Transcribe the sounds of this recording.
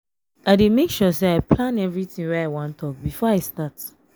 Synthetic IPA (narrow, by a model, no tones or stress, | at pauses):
aɪdemekʃuseaɪplãnɛvɹitĩŋwɛaɪwãntʰɔk̚bifɔaɪstat